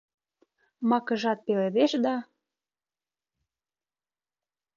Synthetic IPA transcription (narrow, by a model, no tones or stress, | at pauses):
mɑkə̆ʒɑt̪̚peleβeʃd̪ɑ